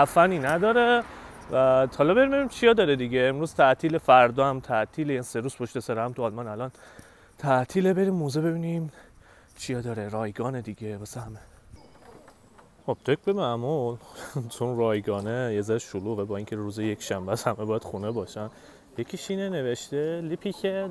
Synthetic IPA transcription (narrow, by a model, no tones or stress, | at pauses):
æfæniːnæd̪ɒːɾe | væhɒlɒbeɾimbe̞bimt͡ʃʰijɒːd̪ɒːɾed̪iɡʲeːmɾuːz̥t̪ʰæʔt̪ʰiːle̞fæɾd̪ɒːæmt̪ʰæʔt̪ʰiːlejæniseɾuːz̥pʰoʃt̪esæɾhæmt̪ʰuɒlmɒːnælɒːn | t̪ʰæʔt̪ʰiːlebe̞ɾiːmːoːzebe̞biːnim | t͡ʃʰijɒːd̪ɒːɾeɾɒːjɡɒːned̪iɡemæsæhæme | xob̥̚t̪ʰek̚ʰbemæmult͡ʃʰonrɒːjɡɒːnejezæɾeʃoluːɣebɒːiːŋcʰe̞ɾuːzejekʃæmbææshæmebɒːjæd̪xunebɒːʃæn | jecʰiʃiːnene̞veʃt̪elipʰikʰe